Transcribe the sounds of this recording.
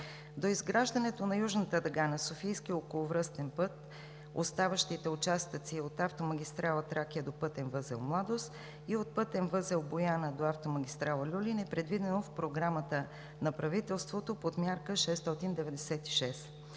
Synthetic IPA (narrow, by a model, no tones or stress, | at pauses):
d̪oizɡɾaʒd̪ənɛt̪onɐjuʒnət̪əd̪ɐɡanəsofijsk̟iokolˠovɾɤst̪ɛnpɤt̪ | o̰st̪avəʃt̪it̪ɛʊt͡ʃast̪ət̪siot̪aft̪oməɡʲist̪ɾalˠət̪ɾakiəd̪opɤt̪ɛnvɤzɛ̰lˠmlˠad̪ost̪ | iot̪̚pɤt̪ɛnvɤzɛlˠbojanəd̪oaft̪omɐɡʲist̪ɾalˠəlʲulinɛpɾɛd̪vid̪ɛnofpɾoɡɾamət̪ə | nɐpɾɐvit̪ɛlˠst̪vot̪opot̪mʲjaɾkəʃɛst̪ɔt̪ind̪ɛvɛd̪ɛsɛt̪i̥ʃɛs